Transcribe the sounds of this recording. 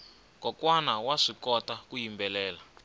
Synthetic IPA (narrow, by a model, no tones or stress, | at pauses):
kɔkwanawaʂikɔtakujimbɛlɛːla